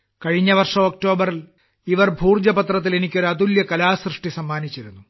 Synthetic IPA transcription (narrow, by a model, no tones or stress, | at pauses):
kɐɻiɲːɐʋɐrʂɐmok̚ʈo̞ːbɐril | iʋɐrbʱuːrd͡ʑɐpɐt̪rɐt̪̬ːile̞nikʲːo̞ɾuɐt̪uljɐkɐlaːsrɨʂʈisɐmːaːnit͡ɕːiɾunːu